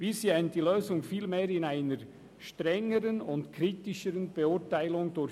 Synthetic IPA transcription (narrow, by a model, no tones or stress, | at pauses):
b̥isjɛnd̥iløːzʊŋfiːlmeːɾɪnaɪnəɾ | ʃtɾɛŋːəɾənʊntkʰɾiːtɪʃəɾənb̥ɛʊtaɪlʊŋd̥ʊɾ